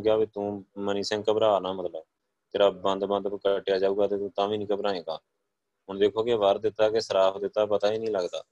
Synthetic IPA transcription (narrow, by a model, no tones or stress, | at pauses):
kɪjaːbiːt̪ũːməniːsɛ̃ːŋɡkəbɾaːnaːmət̪ləb | t̪eːɾabənd̪bə̃nd̪kəʈːɪjaːd͡ʒaːuːɡaːt̪eːt̪ũːt̪ãːʋĩːnĩːkəbɾãːẽːɡaː | ɦʊɳd̪eːkʰoːkeʋəɾd̪ɪt̪ːaːkesəɾaːpd̪ɪt̪ːaːpət̪aːiːnĩːləɡd̪a̰ː